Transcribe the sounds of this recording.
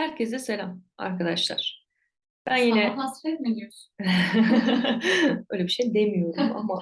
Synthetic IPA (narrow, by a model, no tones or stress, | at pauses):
hæɾcʰesd̪ɛselʲama̰ɾkad̪aʃlˠa̰ɾ̥ | b̥ænjiːnɛasfet̪milijos | bøjlʲebiʃejd̪emijo̞ɾuma̰ma